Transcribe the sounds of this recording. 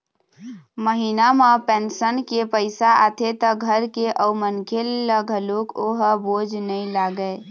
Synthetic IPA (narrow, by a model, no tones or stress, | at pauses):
məɦinamepensənkepəɪsaʔat̪ʰet̪əɡʱəɾkeʔəmənkʰelləɡʱəlokoɦbod͡ʒʱnəlaɡəe